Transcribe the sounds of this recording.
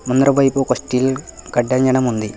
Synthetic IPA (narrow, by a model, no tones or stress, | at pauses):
mund̪ɾɐbɐjpukosʈilkɐɖːɐɲd͡ʑɐɳɐmund̪i